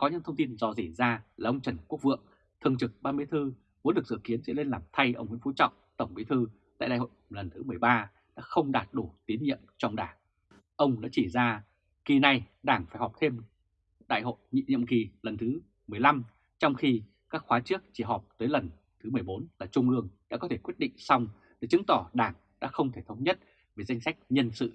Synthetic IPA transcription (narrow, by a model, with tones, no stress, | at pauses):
kɔ˨˦ɲɨ̰˧˥t̪ʰə˧ŋ͡mt̪i˧nzɔ˧zi˧˩zaː˧laː˨˩ʔə˧wŋ͡mt͡ɕə˧˩nku˦˥ək̚vɨ̰˧˨əŋ | t̪ʰɨ˨˧˩əŋt͡ɕɨ˨˩k̚ɓaː˧mɨ˧˨jt̪ʰɨ˧ | mu˨˦nɗɨ˨˩ək̚zɨ̰˧˨ki˨˦ənzɛ̰˧˥le˧nlaː˨˩mt̪ʰa˧jʔə˧wŋ͡mhwḭ˧˥˦ŋfu˨˦t͡ɕɔ̰˧˨wŋ͡mt̪ə˧˩wŋ͡mɓḭ˧˥t̪ʰɨ˧ | a̰ː˧˨jɗa̰ː˧˨jho̰˧˨lə˨˩nt̪ʰɨ˨˦m˨˩əjɓaː˧ | ɗa̰ː˧˥xə˧wŋ͡mɗaː˨˩t̚ɗu˧˩t̪i˨˦nɲḭ˧˨əmt͡ɕɔ˧wŋ͡mɗaː˧˩ŋ | ʔə˧wŋ͡mɗa̰ː˧˥t͡ɕi˧˩zaː˧ | ki˨˩na˨˩jɗaː˧˩ŋfaː˧˩jɦɔ˨˩p̚t̪ʰe˧m | ɗa̰ː˧˨jho̰˧˨jɲḭ˧˨ɲḭ˧˨əmki˨˩lə˨˩nt̪ʰɨ˨˦ | mɨ˨˩əjla˧m | t͡ɕɔ˧wŋ͡mxi˧ | kaː˦˥k̚xwaː˨˦t͡ɕɨ˦˥ək̚t͡ɕi˧˩ɦɔ˨˩p̚t̪əː˨˦jlə˨˩n | t̪ʰɨ˨˦mɨ˨˩əjɓo˨˦nlaː˨˩t͡ɕʊ˧ŋ͡mlɨ˧əŋɗa̰ː˧˥kɔ˨˦t̪ʰe˧˩kwi˦˥t̚ɗḭ˧˨ŋ̟sa˧wŋ͡m | ə˧˨˩t͡ɕɨ˨˦ŋt̪ɔ˧˩ɗaː˧˩ŋ | ɗa̰ː˧˥xə˧wŋ͡mt̪ʰe˧˩t̪ʰə˨˦wŋ͡mɲə˦˥t̚ | ve˨˩za˧jŋsa˦˥jk̟̚ɲə˧nsɨ̰˧˨